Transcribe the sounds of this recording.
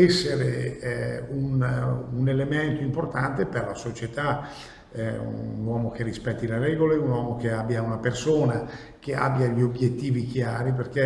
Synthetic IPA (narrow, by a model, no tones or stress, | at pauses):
ɛsːeɾe | ununelemɛnt̪oimport̪ant̪eperla̰sot͡ʃet̪a | ɛunwɔːmok̟erispɛt̪ːilerɛɡoleunwɔːmok̟eabːjaunapersoːna | k̟ea̰bːjaʎiobjet̪ːiːvik̟jaːɾiperk̟e